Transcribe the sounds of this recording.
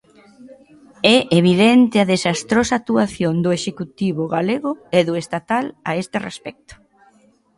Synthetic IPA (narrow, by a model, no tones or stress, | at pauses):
ɛʔeβ̞iðɛnt̪ɪɐðesast̪ɾosak̚t̪uaθjond̪ʊeʃekut̪iβʊɣaleɣʊeðʊest̪at̪alaest̪ɪrḛspɛk̚t̪ʊ̥